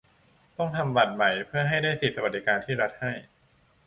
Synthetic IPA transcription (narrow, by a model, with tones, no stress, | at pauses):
t̪ɔ˥˩ŋt̪ʰa˧mba˨˩t̪̚ma˨˩jpʰɯ˥˩ɐɦa˥˩jdaː˥˩jsi˨˩t̪̚sa˧wa˨˩d̪i˦˥˩kaː˧nt̪ʰiː˥˩ɾa˦˥t̪̚ha˥˩j